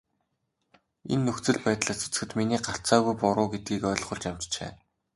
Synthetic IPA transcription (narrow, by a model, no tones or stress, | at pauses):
ḛnːɵxt͡sɘ̆ɮpæːt̪ɮaːt͡sʰɵ̥t͡sɘ̥̆xɘ̆t̪miniːɢar̥t͡saːɣujpʊɾʊːɡet̪̚ɡiːkœːɮ̆χʊ̆ɮt͡ɕam̥t͡ɕt͡ɕḛː